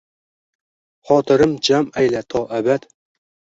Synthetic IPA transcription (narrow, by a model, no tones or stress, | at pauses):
χɑːt̪ʰɨɾɨmd͡ʒæmæjlæt̪ʰɒʔæbæd̪